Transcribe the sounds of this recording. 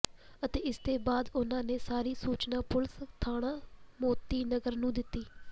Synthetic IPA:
ət̪eːɪst̪eːbaːd̪ʊnãːneːsaːɾiːsuːt͡ʃnãːpʊlst̪ʰaːɽãːmoːt̪iːnəɡəɾnũːd̪ɪt̪ːiː

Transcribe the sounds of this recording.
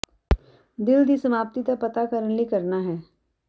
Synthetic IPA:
d̪ɪld̪isɐmaːp̚t̪it̪apɐt̪akəɾənlikɐɾnaɦɛː

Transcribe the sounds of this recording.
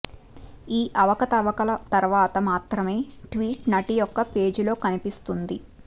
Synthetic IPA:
iːʔɐʋɐkɐt̪ɐʋɐkɐlɐt̪ɐɾʋaːt̪ɐmaːt̪ɾɐme̞ːʈʋiːʈnɐʈijɔkːɐpe̞ːd͡ʒilo̞ːkɐnipist̪und̪i

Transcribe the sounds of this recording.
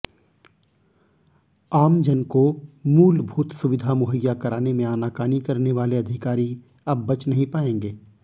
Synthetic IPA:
aːmd͡ʒɐnkomuːlbʱuːt̪sʊʋɪd̪ʱamʊɦəjːakɐɾaːnemẽaːnaːkaːnikɐɾneʋaːleɐd̪ʱɪkaːɾi | ɐbːɐt͡ʃnɐɦĩpaːẽːŋɡeː

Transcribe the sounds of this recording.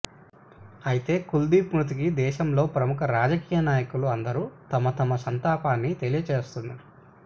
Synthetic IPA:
ɐjit̪e̞ːkuld̪iːpnut̪̬ikid̪ɛːʃɐmlo̞ːpɾɐmukʰɐɾaːd͡ʒɐkiːjɐnaːjɐkuluɐnd̪ɐɾut̪ɐmɐt̪ɐmɐsɐnt̪aːpaːnːit̪e̞lijɐt͡ʃe̞ːst̪unːaɾu

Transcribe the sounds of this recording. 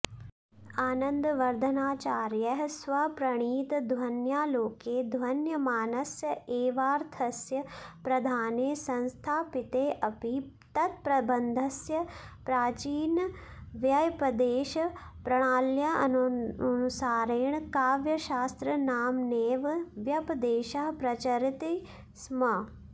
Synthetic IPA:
aːnɐ̃nd̪ʋɐɾd̪ʱənaːt͡ʃaːɾjɐɦsʋɐpɾɐɽ̃iːt̪d̪ʱwɐnjaːloːkeːd̪ʱwɐnjɐmaːnɐsjəeːʋaːɾt̪ʰɐsjɐpɾɐd̪ʱaːneːsɐ̃nst̪ʰaːpɪt̪eːʔɐpi | t̪ɐt̪̚pɾɐbɐnd̪ʱɐsjɐpɾaːt͡ʃiːn | ʋjɐjpɐd̪eːʃɐ | pɾɐɽ̃aːljɐɐ̰nɐnusaːɾeːɳ̃kaːʋjɐʃaːst̪ɾɐnaːmneːʋʋjɐpd̪eːʃɐɦpɾɐt͡ʃɐɾit̪i | smɐ

